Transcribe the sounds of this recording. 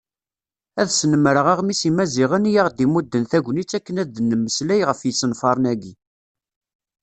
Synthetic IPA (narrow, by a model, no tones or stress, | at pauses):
æðsnəməɾəʁaʁmisimæziʁənjaʁd̪imud̪ːənθæɡʷnit͡sːækːənæd̪ənːəmːəslæjʁəfjəsːənfɑɾˤnæɡi